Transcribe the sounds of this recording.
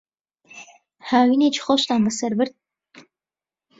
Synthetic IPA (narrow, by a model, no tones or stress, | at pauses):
haːwinet͡ʃʰχoʃt̪aːmbəsɐɾbɨɾd̪̚